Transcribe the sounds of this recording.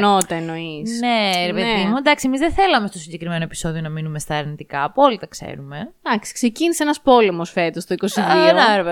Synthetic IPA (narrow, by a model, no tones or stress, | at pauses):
not̪ɐenoisneɾepet̪imud̪ɐksiemizðeθe̞lɐme̞st̪o̞siɲɟe̞kɾime̞noe̞pi̥so̞ðionɐminume̞st̪ɐɐɾnit̪ikɐːpo̞lit̪ɐkse̞̰ɾume̞d̪ɐksi̥kse̞ciniseenɐspo̞le̞mosfe̞t̪ost̪oiko̞siðionɐɾvɐ